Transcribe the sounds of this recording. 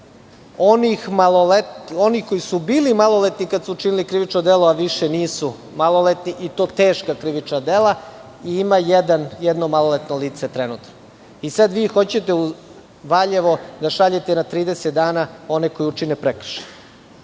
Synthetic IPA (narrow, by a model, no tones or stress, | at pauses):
onixmaloleto̞nixkojisubiːlimalˠo̞let̪nikad̪suut͡ʃinilikɾiʋit͡ʃnod̪elo̞aʋiʃeniːsu | malˠo̞let̪niʔit̪o̞ːt̪eːʃkakɾiʋit͡ʃnad̪ela | iimajed̪anjed̪no̞malˠolet̪noliːt̪set̪ɾenuːt̪no | isad̪ʋiːxo̞t͡ɕet̪e̞u | ʋaʎe̞ʋo̞d̪aʃaʎet̪enat̪ɾiːd̪eset̪̚d̪aːnao̞ne̞ko̞jiut͡ʃinepɾekr̩̥ʃe̥n